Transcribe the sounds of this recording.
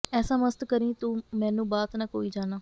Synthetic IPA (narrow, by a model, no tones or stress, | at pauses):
ɛːsãːməst̪kəɾĩːt̪ũːmɛ̃ːnũːbaːt̪naːko̰ːiːd͡ʒaːnaː